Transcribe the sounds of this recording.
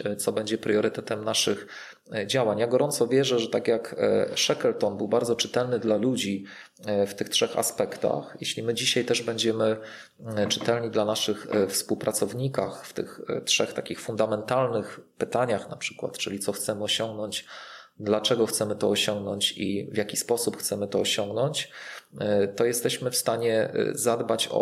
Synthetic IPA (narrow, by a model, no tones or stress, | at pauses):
t̪sɔbɛɲd͡ʑɛpɾjɔɾɘt̪ɛt̪ɛmnaʂɘx | d͡ʑawaɲjaɡɔɾɔnsɔvʲjɛʐɛʐɛt̪akʲjakʂɛkɛlt̪ɔnbɘwbaɾd̪zɔt͡ʂɘ̥t̪ɛlnɘd̪lalud͡ʑi | ft̪ɘxtʂɛxa̰spɛkt̪a̰xjḛɕlʲimɘd͡ʑiɕajt̪ɛʐbɛɲd͡ʑɛmɘ | t͡ʂɘ̥t̪ɛlɲid̪lanaʂɘxfspuwpɾʔat̪sɔvɲika̰xft̪ɘ̰xtʂɛxt̪akʲixfund̪amɛnt̪alnɘxpɘt̪aɲaxnapʂɘ̥kwa̰t̪t͡ʂɘlʲit̪sɔxt̪sɛmɘɔɕɔŋɡnɔɲt͡ɕd̪lat͡ʂɛɡɔxt̪sɛmɘt̪ɔːɕɔŋɡnɔɲt͡ɕḭvʲjakʲispɔsupxt̪sɛmɘt̪ɔːɕɔŋɡnɔɲt͡ɕ | t̪ɔjɛst̪ɛɕmɘfst̪aɲɛ̰zad̪bat͡ɕɔ̰